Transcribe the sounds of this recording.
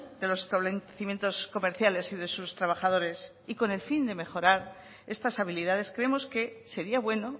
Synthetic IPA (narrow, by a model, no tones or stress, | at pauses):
d̪e̞lo̞sest̪aβleθimje̞nt̪osko̞me̞ɾθjale̞siðe̞sust̪ɾaβ̞axað̞o̞ɾe̞s | iko̞ne̞lfind̪e̞me̞xo̞ɾaɾ | e̞st̪asaβ̞iliðaðe̞skɾeemo̞ske̞se̞ɾiaβwe̞no̞